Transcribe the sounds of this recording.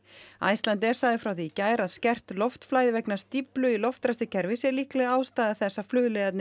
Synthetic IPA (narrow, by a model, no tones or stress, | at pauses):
a̰jst̪lant̪ɛɾ̥saːðɪfɾawθicaːjɾaðscɛr̥t̪lɔft̪flaːjðvɛknast̪iplʏilɔft̪ɾɛst̪ɪcʰɛɾvɪsɛɾlihklɛɣaaːwst̪aːðaθɛsːaflʏːðlɛɣat̪nɪ